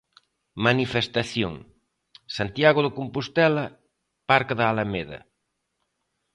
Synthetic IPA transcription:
manifest̪aθjoŋ | sant̪jaɣoðokompust̪ɛlɐ | paɾkaðaːlameðɐ̰

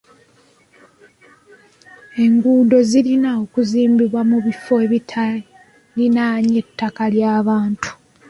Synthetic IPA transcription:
e̞ŋɡuːdo̞zilinaokuziːmbiβwamuβifo̞eβitʰa | ninaːɲetːakaljaːβaːntu̥

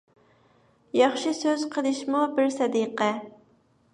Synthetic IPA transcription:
jɑχʃɪsøz̥qʰəlˠɨʃmubɪɾsɛd̪iqɛ

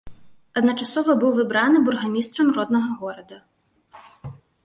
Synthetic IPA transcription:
ɐd̪nɐt͡ʂasɔvɐbɨwvɨbɾanɨburɣɐnʲist̪ɾɐmɾɔd̪nɐɣɐɣɔɾɐd̪ɐ

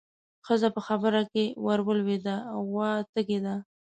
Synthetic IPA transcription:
xəzapəxabəɾakewaɾwəlwed̪aawːɑt̪əɡed̪a

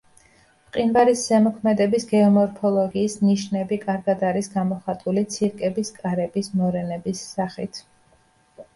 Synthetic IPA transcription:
qʼinbaɾiszɛmɔkʰmɛd̪ɛbisɡɛɔmɔɾpʰɔlˠɔɡiːsniʃnɛbikʼaɾɡad̪aɾisɡamɔχat̪ʼulit̪sʰiɾkʼɛbiskʼaɾɛbismɔɾɛnɛbisːaχit̪ʰ

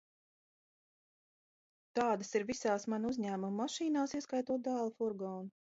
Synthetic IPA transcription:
t̪aːd̪asiɾvisaːsmanuzʲɲæːmumːaʃiːnaːsiɛskajt̪uɔt̪̚d̪ɑːlˠfuɾɡɔːnu

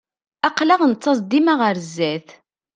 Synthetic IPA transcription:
æqlæʁnt͡sːɑs̬ˤd̪imaʁəɾzːæθ

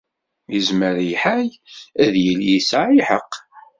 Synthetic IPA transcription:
jəzməɾiħaj | æðjəljisaʕiħəqː

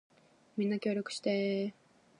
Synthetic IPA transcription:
mʲĩnːakʲo̞ːɾʲo̞kɯ̟ɕi̥t̪e

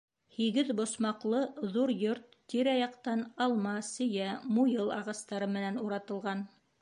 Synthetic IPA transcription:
hiɡɘðbŏsmɑqlˠɤðuɾjoɾt̪ːiɾɑjɑqt̪ɑnɑlˠmɑsɵ̆jæmujɤlˠɑʁɑst̪ɑɾɤmɘ̆nænuɾɑt̪ɤ̆lˠʁɑn

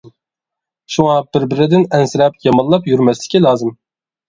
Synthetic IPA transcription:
ʃuŋɑbɪɾbɪɾɪd̪ɪnɛnsɪɾɛpjɑmɑnlˠɑpjyɾmɛslɪ̥kʲilɑːzɨm

